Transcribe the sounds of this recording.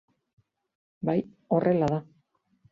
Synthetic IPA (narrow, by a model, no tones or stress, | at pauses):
baj | o̞rʔe̞laða